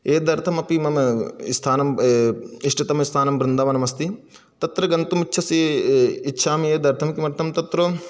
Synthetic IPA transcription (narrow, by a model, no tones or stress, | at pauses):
eːd̪ɐɾt̪ʰɐmɐpimɐmst̪ʰaːnɐm | iʂʈit̪ɐmist̪ʰaːnɐmbɾɪnd̪ʱaːʋɐnɐmɐst̪i | t̪ɐt̪ɾɐɡɐnt̪umitːʃʰɐsiitːʃʰaːmeːd̪ʱɐɾt̪ʰɐmkimɐɾt̪ʰɐmt̪ɐt̪ɾo